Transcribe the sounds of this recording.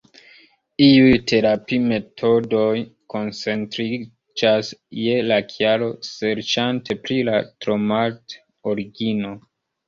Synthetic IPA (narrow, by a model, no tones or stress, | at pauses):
iujte̞ɾapime̞tʰo̞do̞jko̞nt͡se̞ntɾi | d͡ʒasje̞lakʰjaɾo̞se̞ɾt͡ʃantʰe̞pɾilatɾo̞mat | oɾiɡino̞